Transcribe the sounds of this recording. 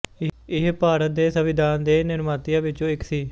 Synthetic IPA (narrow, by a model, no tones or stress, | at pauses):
ɪɪɦpaːɾət̪̚d̪eːsəʋɪd̪ʱaːnd̪eːnɪɾmaːt̪ɪjãːʋɪt͡ʃõːɪksiː